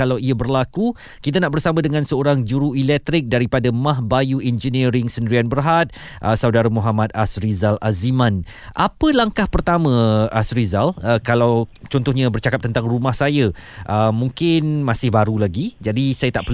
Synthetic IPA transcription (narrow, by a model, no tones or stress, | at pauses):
alawiabərlaku | kit̪̬anaʔbərsamãdəŋãnsəoɾaŋd͡ʒuɾuilɛk̚t̪ɾɪk̚daɾipadamãɦbajuɛnd͡ʒəniɾɪŋsəndəɾianbəɾɦat̪̚ | ʔəsawdaɾamuɦamãt̪̚asɾizalʔazimãn | ʔapəlaŋkahpərt̪amə̃asɾizaləkalawt͡ʃɔnt̪ʊɦɲãbərt͡ʃakap̚t̪ənt̪aŋrumahsajaʔəmːũŋkɪnmãsɪhbaɾulaɡid͡ʒadisajat̪aʔpər